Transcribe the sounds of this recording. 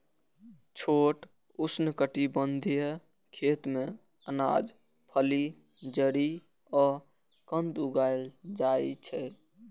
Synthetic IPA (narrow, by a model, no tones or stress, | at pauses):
t͡ʃʰoʈ | usnəkəʈibənd̪ʱijə | kʰet̪mẽ | əna̰d͡ʒ | pʰəli | d͡ʒəɾi | ɔː | kə̃nd̪uɡald͡ʒait͡ʃʰɛ